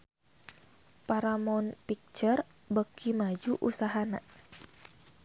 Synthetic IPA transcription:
paɾamɔnpik̚t͡ʃər | bəkimad͡ʒuʔusaɦana̰

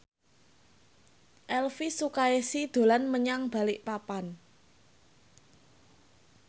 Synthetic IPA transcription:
ʔɛlfisukaesid̪̥o̤lanməɲaŋb̥a̤lɪʔpapan

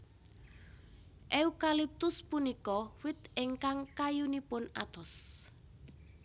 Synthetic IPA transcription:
ʔeukalip̚t̪ʊspunikɔwɪt̪ʔɪŋkaŋkajunipʊna̰t̪ɔs

